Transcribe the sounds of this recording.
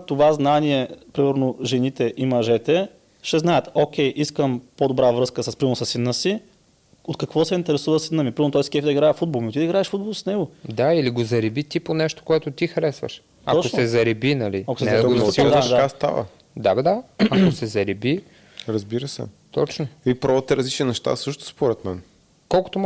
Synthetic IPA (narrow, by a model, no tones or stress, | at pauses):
t̪ovaznaniɛpɾimɛɾnoʒɛnit̪ɛʔimɐʒɛt̪ɛ | ʃɛznaət̪okʲɛjʔiskəmpod̪obɾavɾɤskəsɐspɾimsɐsinːəsi | ot̪kɐkvɔsɛint̪ɛɾɛsuvəsinːəmipɾimɛɾnot̪ɔɛsk̟ɛfd̪ɐiɡɾaɛfud̪̚bolˠmiot̪id̪iɡɾaɛʃfud̪̚bolˠsnɛɡod̪ailiɡozɐɾibit̪iponɛʃt̪o̥koɛt̪ʊt̪ixɾɛsvə̰ʃ | ɐɔosɛzɐɾɛbinɐliɐkosɛɛsd̪aʃd̪ast̪a̰və̰ | d̪abd̪aɐkosɛzɐɾibi | ɾəzbiɾəsɛ̰ | t̪ɔt͡ʃnoipɾɔvət̪ɛɾɐzlit͡ʃninɛʃt̪a̰sɤʃt̪ʊ̥spoɾɛt̪mɛn | kɔlˠko̥t̪om